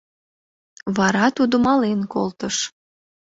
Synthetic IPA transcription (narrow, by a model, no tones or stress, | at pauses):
βɑɾɑt̪ud̪omɑlenkolt̪əʃ